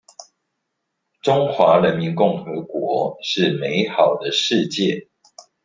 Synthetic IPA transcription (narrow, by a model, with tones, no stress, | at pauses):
ʈ͡ʂʊ˥ŋxwa˧˥ɻə˧˦nmi˧˥nkʊ˥˩ŋxɤ˧˥kwɔ˧˥ʂɻ̩˥˩me˨˦ɪxɑ˨˩ʊd̪ə˦ʂɻ̩˥˧t͡ɕjɛ˥˨